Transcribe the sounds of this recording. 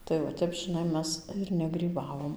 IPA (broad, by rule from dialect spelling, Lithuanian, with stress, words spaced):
tɐɪ ʋɐ ˈtʲɛp ʒʲɪˈnɐɪ ˈmʲɛs ɪr nʲɛɡrʲiːˈbɑːʋoːm